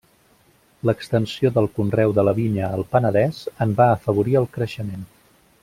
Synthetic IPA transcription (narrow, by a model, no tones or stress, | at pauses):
ləkst̪ənsioðəlˠkunrɛwðələβiɲəːlˠpənəðɛz̥əmbaəfəβ̞uɾiəlˠkɾəʃəmen